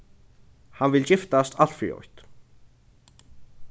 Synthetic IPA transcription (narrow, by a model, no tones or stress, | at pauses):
hanvɪlt͡ɕɪft̪ast̪ʰaɬt̪fḭːɔ̰jt̪